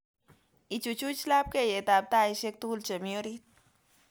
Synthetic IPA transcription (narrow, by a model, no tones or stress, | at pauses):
it͡ʃut͡ʃut͡ʃlab̚kejet̪ab̚t̪aːiʃek̚t̪uːlt͡ʃemijoɾit̪̚